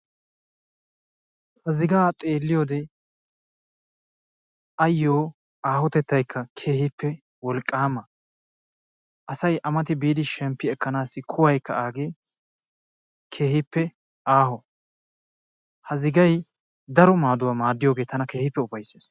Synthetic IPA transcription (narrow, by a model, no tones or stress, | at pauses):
hɐzɪɡaːt̪ʼe̞ːlːɪjoːd̪ɛ | ʔɐjːoː | aːhɔt̪ɛt̪ːɐjkʰːɐkʰe̞ːhɪpːɛ | wɔlkʼːaːmɐ | ʔɐsɐjʔɐmɐt̪ɪbiːd̪ɪʃɛmpːɪɛkːɐnaːsːɪkʰʊwɐjkːɐaːɡeː | kʰe̞ːhɪpːɛ | ʔaːhɔ | hɐzɪɡɐj | d̪ɐɾɔmaːd̪ʊwaːmaːd̪ːɪjo̞ːɡe̞ːt̪ɐnɐke̞ːhɪpːɛʊbɐjseːs